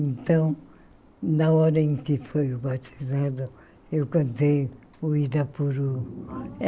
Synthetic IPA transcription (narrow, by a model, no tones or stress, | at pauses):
ẽnt̪ɐ̃w̃ | nɐɔɾɐẽkɪfojuβat̪i̥zaðu | ewkɐ̃nt̪ej | uiðɐpuɾu